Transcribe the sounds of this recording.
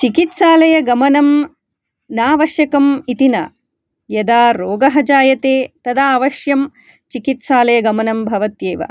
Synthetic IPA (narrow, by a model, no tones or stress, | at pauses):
t͡ʃikit̪saːlɐjɐɡɐmɐnɐm | naːʋɐʃjɐkɐmit̪inɐ | jɐd̪aːɾoːɡɐɦɐd͡ʒaːjɐt̪eːt̪ɐd̪aaːʋɐʃjɐm | t͡ʃikit̪saːlɐjɐɡɐmɐnɐmbʱɐʋɐt̪jeːʋɐ̰